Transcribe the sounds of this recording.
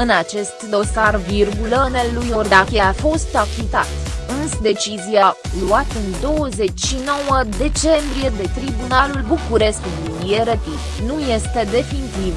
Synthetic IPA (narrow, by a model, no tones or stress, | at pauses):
ɨnat͡ʃe̞st̪d̪o̞sarvirɡulənelːujord̪akeafo̞st̪akit̪a̰t̪ɨnsd̪e̞t͡ʃizialuat̪ɨnd̪o̞wəze̞t͡ʃʲʃino̞wəd̪e̞t͡ʃe̞mbɾije̞d̪e̞t̪ɾibunalulbukuɾe̞sk̪uluje̞ɾət̪it̪nuje̞st̪e̞d̪e̞finit̪iv